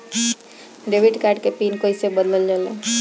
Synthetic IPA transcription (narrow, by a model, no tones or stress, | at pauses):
ɖebiʈkaɾɖkepiːnkoisebəd̪ləld͡ʒale